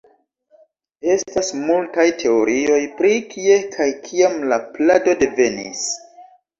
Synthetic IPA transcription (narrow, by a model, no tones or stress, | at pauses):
e̞stasmultajtʰe̞o̞ɾʔio̞jpɾikʰie̞kʰajkʰiamlaplado̞de̞ve̞nḭs